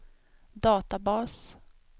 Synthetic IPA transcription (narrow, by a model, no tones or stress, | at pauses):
d̪ɑːt̪abɑːs